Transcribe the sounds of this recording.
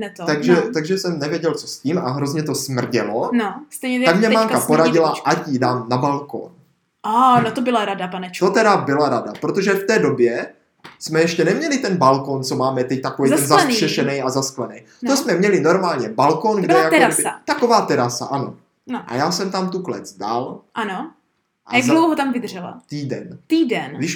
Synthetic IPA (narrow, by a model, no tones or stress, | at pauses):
nɛt̪t̪aɡʒɛt̪aɡʒɛsɛmnɛvjɛɟɛlt͡sosciːmaɦɾo̞zɲɛt̪o̞smr̩ɟɛ̰lonost̪ɛjɲɛt̪at̪akmɲɛɛmaŋkapoɾaɟɪlaʔacidaːmnabalko̰n | ʔanot̪obɪlaɾadapanɛt͡ʃ̪ot̪ɛɾabɪlaɾadapɾot̪oʒɛft̪ɛːdo̞bjɛ | smɛjɛʃcɛnɛmɲɛlɪt̪ɛnbalko̞nt͡so̞maːmɛt̪ɛc̚t̪akovej̪ɛnzasnr̥ɛʃɛnɛjazasklɛnɛj | nosmɛmɲɛlɪno̞ɾmaːlɲɛbalkonɡdɛjak̪ɛɾasɪat̪ako̞vaːt̪ɛɾasa̰ʔano̞ | ʔa̰jaːsɛmt̪amt̪uklɛ̰d͡zdalʔano | ʔajaɡɡdlowɦot̪amvɪd̪ʒ̥ɛla̰t̪iːdɛ̰nt̪iːdɛnɡdɪʃ